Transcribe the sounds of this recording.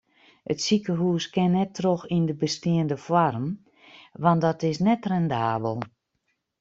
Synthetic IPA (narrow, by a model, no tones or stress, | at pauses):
ʔətsikəɦuːskɪnːɛtroxindəbəstiəndəfwarm | ʋandɔtɪsnɛtrɛndaːbəlˠ